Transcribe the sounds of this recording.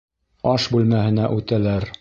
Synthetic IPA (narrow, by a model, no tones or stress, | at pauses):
ɒʃbʉlmæhɘ̆næʔʉt̪ælæɾ